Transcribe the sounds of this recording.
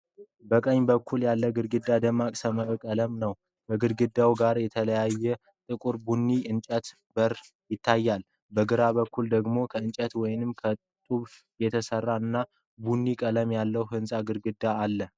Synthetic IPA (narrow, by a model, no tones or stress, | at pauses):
bəkʼəɲːbəkʰːuljalːəɡɨɾɡɨd̪ːad̪əmːakʼsəməkʼələmnəw | kəɡɨɾɡɨd̪ːawɡaɾjɛt̪ʰələjajːɛ | t̪ʼɨkʼuɾbunːiɨnt͡ʃʼət̪ | bəɾ | jɪt̪ʰːajːal | bəɡɨɾaβəkʰːuld̪əɡmo̞kʰəɨnt͡ʃʼət̪wɔjnɨmkʰə | t̪ʼuβ | jɛt̪ʰəsərːaɨnːa | bunːikʼələmjalːəwhɨnsʼaɡɨɾɡɨd̪aːlːə